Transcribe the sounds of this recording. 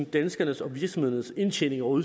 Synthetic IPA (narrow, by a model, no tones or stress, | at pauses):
d̥ænsɡ̥ɐnəsɒ̽ʋiɐɡ̥sɒ̽mhe̝ðˠnəse̝nɕʰen̰e̝ŋɒu